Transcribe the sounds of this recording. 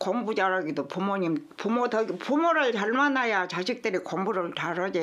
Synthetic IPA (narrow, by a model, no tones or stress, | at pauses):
kʌŋbud͡ʑaɾaɡidopumoɲimpumotʌɡipumoɾɯɭtaɭmanajat͡ɕaɕʰik̚t͈ɯɾikʌŋbuɾɯɭtaɾʌd͡ʑe